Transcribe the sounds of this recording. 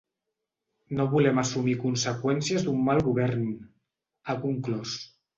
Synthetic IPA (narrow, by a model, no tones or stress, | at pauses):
noβulɛmasumikunsekwɛnsiəzd̪umːalˠɣuβɛɾn | akuŋklɔs